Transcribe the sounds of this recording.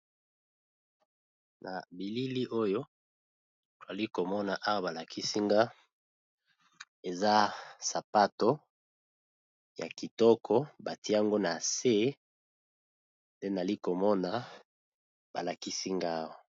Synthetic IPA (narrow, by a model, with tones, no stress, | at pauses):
na̰˨bi˨li˦li˦ʔo˦jo˦ | to˨a˨li˦ko˨mɔ˦na˨ʔa˦wa˨ba˨la˨kʰi˦si˦ŋɡa˦ | e˨za˦sa˨pa˦to˦ | ja̰˨ki˨tɔ˦kʰɔ˦ba˨ti˦a˦ŋɡo˦na˨se˦ | nde˦na˨li˦ko˨mɔ˦na˨ | ba̰˨la˨ki˦si˦ŋɡa˦˨wa˨